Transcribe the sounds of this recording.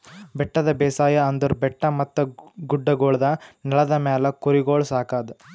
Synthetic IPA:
bɛʈːɐd̪ɐbɛːsaːjɐɐnd̪ɐɾubɛʈːɐmɐt̪ːɐɡuɖːɐɡoːɭɐd̪ɐnɐɭɐd̪ɐmɛːlɐkuɾiɡoːɭsaːkaːd̪ɐ

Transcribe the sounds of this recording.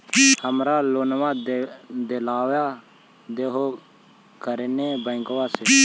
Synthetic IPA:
həmɾaːloːnʋaːd̪d̪elaːwjaː | d̪eːɦoː | kəɾeneːbəɪŋɡʋaːseː

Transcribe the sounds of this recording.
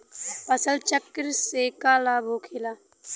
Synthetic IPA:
pɐsəlt͡ʃəkːɾseːkaːlaːbʱoːkʰelaː

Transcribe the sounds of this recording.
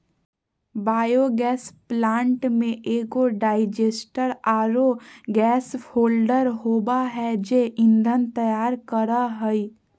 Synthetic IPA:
baːjoɡɛːsplãːɳʈmẽʔeːɡoɖaːɪd͡ʒeːsʈəɾaːɾoɡɛːshoːlɖəɾɦoːbaɦɛd͡ʒeʔɪ̃nd̪ʱənt̪əjaːɾkəɾaɦəi

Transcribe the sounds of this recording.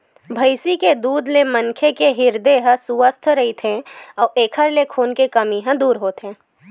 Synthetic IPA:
bʱɐɪsiked̪uːd̪lemɐnkʰekeɦɪɾd̪eɦə̃sʊʋəst̪ʰɾɐɦit̪ʰẽɔːeːkʰəɾlekʰoːnkekɐmiɦə̃d̪uːɾɦoːt̪ẽː

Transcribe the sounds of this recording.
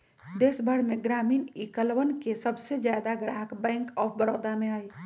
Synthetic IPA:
d̪esbʱəɽmeɡɾaminikəlwənkesəbsed͡ʒjad̪aɡəɽ̤aɦəkbɛ̃ŋkɔbəɾod̪ameaj

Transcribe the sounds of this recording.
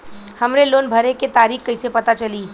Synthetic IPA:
hɐmɾeloːnbʱəɾeket̪aːɾiːxkəɪsepɐt̪at͡ʃɐliː

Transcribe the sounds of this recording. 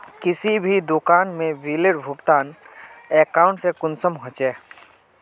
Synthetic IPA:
kɪsibʱid̪ʊkaːnmẽʋiːleɖbʱʊkt̪aːneːkaːʊ̃ɳʈsekʊnsəmɦõt͡ʃeː

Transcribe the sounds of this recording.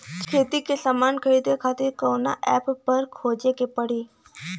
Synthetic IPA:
t͡ʃʰeːt̪ikesaːmaːnkʰɐɾiːd̪ekʰaːt̪ɪɾkɔːna̰ʔɛːppɐɾkʰoːd͡ʒekepɐɽ̤iː

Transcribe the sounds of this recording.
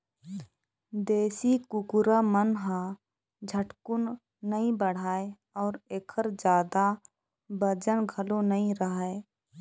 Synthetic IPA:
d̪eːsikʊkʊɾamənɦã | d͡ʒʱəʈkʊnː | əĩbəɽ̤aːe | ɔːɾeːkʰəɾd͡ʒjaːd̪a | bəd͡ʒənɡʱəlonəĩɾəɦae

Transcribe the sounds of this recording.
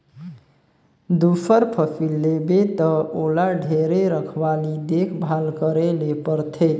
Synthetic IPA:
d̪upʰəɾpʰəpʰilːebet̪ʌolaɖʱeɾeɾəkʰbalid̪ekʰbʱalkəɾelepəɾt̪ʰe

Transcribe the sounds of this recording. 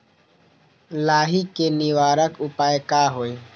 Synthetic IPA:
laːɦikenɪʋaːɾəkʊpaːjkaɦoe

